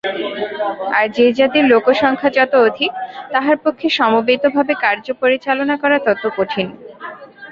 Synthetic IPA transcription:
aɾd͡ʑed͡ʑad̪iɾlokoʃɔŋkʰad͡ʑɔt̪ood̪ʱikt̪aɦaɾpokʰːeʃɔmobit̪obʱabekaɾd͡ʑopoɾit͡ɕalonakɔɾat̪ɔt̪okoʈʰin

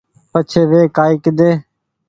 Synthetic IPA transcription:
pət͡ʃʰeːʋeːkaːiːkəd̪eː

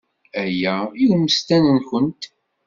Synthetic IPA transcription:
æjæiwməst̪ænənçənt̪

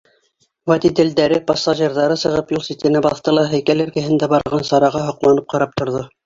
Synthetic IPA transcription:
wæd̪id̪ɘ̆ld̪æɾɘpɑsɑʑɤ̆ɾðɑɾɤsɤ̆ʁɤpjulˠsit̪ɘ̆næbɑθt̪ɤlˠɑɦæjkælɘ̆ɾɡɘ̆ɦɘnd̪æbɑɾʁɑnsɑɾɑʁɑɦŏqmɑnɤp̚qɑɾɑp̚t̪ŏɾðo

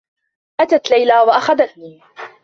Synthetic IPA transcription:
ʔat̪at̪lajlawaʔaxaðat̪niː

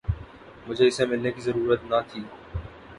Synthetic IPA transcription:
mʊd͡ʒʱeɪsemɪlnekizɐɾuːɾət̪nɐt̪ʰiː

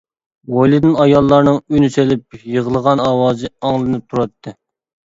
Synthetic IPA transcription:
wolˠɨd̪ɨnɑjɑlˠːɑɾnɨŋynyselɪp̚jəʁəlˠəʁɑnɑwɑːzɨɑŋlˠɨnɨp̚t̪ʰuɾɑt̪ʰːɨ

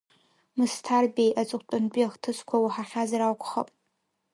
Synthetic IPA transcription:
mɨstʰarbejʔat͡sʼɨkʷʰʼtʼʊndʊjaχtʰɨskʷʰawaħaχʲazɐɾawkʷʰʼʊχɐ̰pʼ

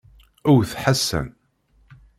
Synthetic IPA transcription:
ʊɾθħasːæ̰n

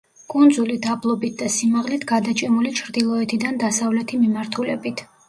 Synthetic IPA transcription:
kʼund̪zulid̪ablˠɔbit̪̚ʰd̪asimaʁlit̪ʰɡad̪at͡ʃʼimulit͡ʃʰɾd̪ilˠɔɛt̪ʰid̪and̪asavlɛt̪ʰimimaɾt̪ʰulɛbit̪ʰ

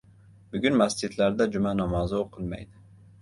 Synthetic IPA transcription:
byɡʲynmɑst͡ʃʰit̪ʰlæɾd̪ɛd͡ʒumɑnɑmɑːzɨoqʰunmɑ̰jd̪ɪ

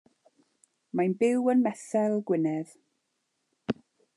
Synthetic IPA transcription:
majnbɪwənmɛθɛlˠɡwɪnɛð̥

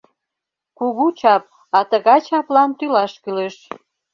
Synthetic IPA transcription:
kuɣut͡ɕɑp̚ | ɑt̪əɣɑt͡ɕɑplɑnt̪ylɑʃkyleʃ

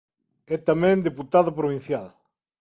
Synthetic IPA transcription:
ɛt̪amẽnd̪eput̪aðopɾoβ̞inθjal

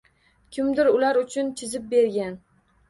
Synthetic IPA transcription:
kʲʰɪmd̪ɪɾʊlaɾʊt͡ʃʰʊnt͡ʃʰɪzɪp̚be̞ɾɡʲan

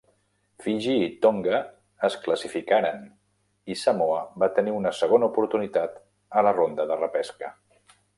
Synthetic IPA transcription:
fiʒiːt̪oŋɡəː | skləsifikaɾən | isəmoəβat̪əniunəsəɣ̞onəupuɾt̪unit̪at̪ | ələrond̪əðərəpɛskə

